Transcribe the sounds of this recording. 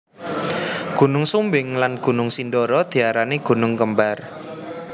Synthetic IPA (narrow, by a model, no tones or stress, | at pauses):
ɡ̥ṳnʊŋsumbɪŋlanɡ̥ṳnʊŋsindɔɾɔd̪̥i̤aɾaneɡ̥ṳnʊŋkəmbar